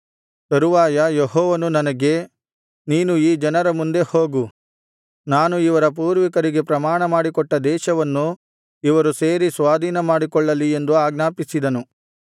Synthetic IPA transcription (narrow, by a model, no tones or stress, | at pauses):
t̪ɐɾuʋaːjɐjeɦɔːʋɐnunɐnɐɡe̞ | niːnuiːd͡ʒɐnɐɾɐmund̪e̞hoːɡu | naːnuiʋɐɾɐp̬uːɾʋikɐɾiɡe̞pɾɐmaːɳɐmaːɽikɔʈːɐd̪ɛːʃɐʋɐnːu | iʋɐɾuse̞ːɾisʋaːd̪ʱiːnɐmaːɽikɔɭːɐlie̞nd̪uaːɡnaːpisid̪ɐnu